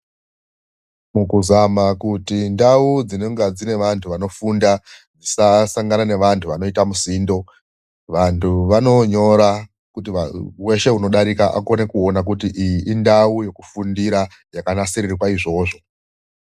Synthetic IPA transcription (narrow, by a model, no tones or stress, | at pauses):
mukuzamakutindaud͡zinoŋɡad͡zine̞ʋantʰuʋano̞fundad͡zisasaŋɡanane̞ʋantʰuʋano̞itamusiːndo̞ | ʋantʰuʋano̞ɲo̞ɾa | kutiawe̞ʃe̞uno̞ɗaɾikaʔa̰ko̞ne̞kuo̞nak̬utiʔijiʔindauje̞ku̥fundiɾa | jakanasiɾirikwaiʐo̞ːʐo̞